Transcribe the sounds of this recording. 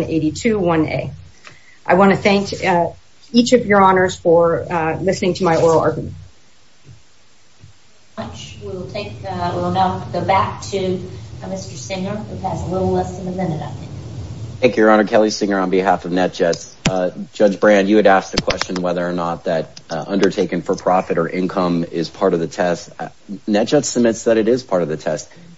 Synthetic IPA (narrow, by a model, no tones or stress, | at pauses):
nḛɪɾitʰʉwʌ̃nḛɪ | ʔaɪwɑ̃nɨθæ̃ŋk | it͡ʃʌvjə˞ɑnə˞z̥fə˞lɪsnɪ̃ŋtʰɨmaɪɔɹl̩ˠɑ̰ɹɡjm̰̃nt | ʌt͡ʃwiwl̩ˠtʰeɪkɪlˠnʌfʰɡoʊbæk̚tʰɨmɪstə˞sɪ̃ŋə˞ʉɨzəlɪɾl̩ˠlɛsɨ̃nɨmɪ̃nɨɾaɪθɪ̃ŋkθæ̃ŋkjɨɹɑnə˞kʰɛlˠisɪ̃ŋə˞ə̃nbɨɦæfʌvnɛt̚ʒ̥ɛts | ʒ̥ʌd͡ʒbɹæ̃njɨːɾæsk̚ðɨkʰw̥ɛst͡ʃɨ̃nwɛðə˞ːnət̪̚ðɨt̚ʔʌ̃ndə˞tʰeɪkɨ̃nfə˞pʰɹ̥ɑfɨɾə˞ʔɪ̃nkʰʌ̃mɪz̥pʰɑɹɾʌvðɨtʰɛst | nɛt̚ʒ̥ɛtsɨmɪ̃tsðɨɾɨɾɪz̥pʰɑɹɾʌvðɨtʰɛst̚